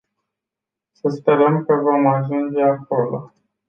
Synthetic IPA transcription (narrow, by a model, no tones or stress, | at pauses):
səspe̞ɾəmkəvo̞maʒund͡ʒe̞ako̞lo̰